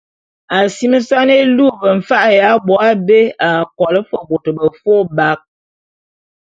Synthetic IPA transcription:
a˨si˦mə˦sa˦ne˦lu˦˨bə˨ɱ̩˨fa˦ʔja˨˦bɔ˨˦a˦be˦a˨kɔ˨lə˦fə˨bo˨tə˨bə˨fo˦ba˦k̚

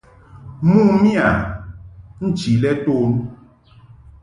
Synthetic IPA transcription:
mu˦mi˦a˨ | n̩˦t͡ʃi˨lɛ˦toː˦n

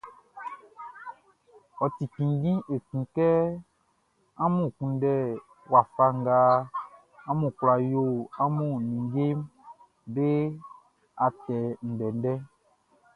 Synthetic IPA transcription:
ɔ˨t̪i˨kĩ˨ŋ˦ɡĩ˦ʔe˨kĩ˨kɛ˦ | a˦mũ˦˨kũ˨n˦ɖɛ˦˨ | wa˨fa˦ŋ˦ɡa˦ | a˦mũ˨kla˨jo˦˨a˦mũ˦˨nĩ˨ŋɡe˦m | be˦ | a˨t̪ɛ˨n̩˨ɖɛ˨n˦ɖɛ˦

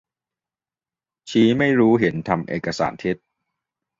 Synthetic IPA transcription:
t͡ɕʰiː˦˥ma˥˩jɾuː˦˥ɦe˩˦nt̪ʰa˧mʔḛː˨˩kːa˧sa̰ː˩˦nt̪ʰe˦˥t̪̚

